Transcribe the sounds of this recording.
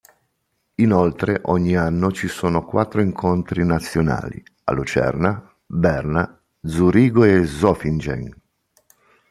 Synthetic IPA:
inolt̪ɾeʔɔɲːianːot͡ʃisoːnokwat̪ːɾoiŋkʰont̪ɾinat̪sːjona̰ːlḭ | a̰lut͡ʃɛ̰rna | bɛrna | d̪zuɾiːɡoezɔfind͡ʒḛŋ

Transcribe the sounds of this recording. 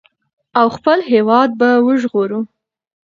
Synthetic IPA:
awxpəlɦewɑd̪̚bawəʒɣoɾu

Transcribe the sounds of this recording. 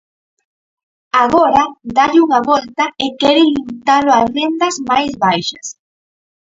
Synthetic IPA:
aɣɔɾɐd̪aʎɪuŋaβɔlt̪ɐɪkɛɾɪlimit̪alʊasrend̪ɐzmajzβajʃɐ̰s

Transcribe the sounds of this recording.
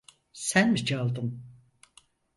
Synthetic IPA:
sænmit͡ʃʰalˠd̪ɯm

